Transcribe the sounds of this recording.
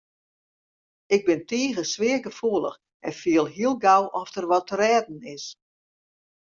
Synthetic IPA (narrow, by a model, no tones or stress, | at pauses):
ɪɡ̚bɪntʰiːɣəsʋɪəɡəfuəlˠə̰x | ʔɛnfiəlˠɦiəlˠɡawʔɔfdərʋɔtərɛːdn̩ɪs